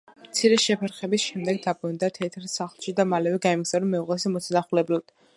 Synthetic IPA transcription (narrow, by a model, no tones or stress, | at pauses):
mt̪sʰiɾɛʃɛpʰɛɾχɛbisʃɛmd̪ɛɡ̚d̪abɾɔnd̪at̪ʰɛt̪ʰɾsaχlˠʃid̪amalɛvɛɡaimɡzaɾɔmːɛuʁɛsimɔt̪sʰnaχulɛblad̪̥